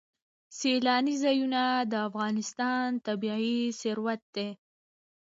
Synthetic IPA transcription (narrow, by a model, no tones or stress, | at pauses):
selɑnizɑjunad̪əafɣɑnɪst̪ɑnt̪abiisɪɾwat̪̚d̪e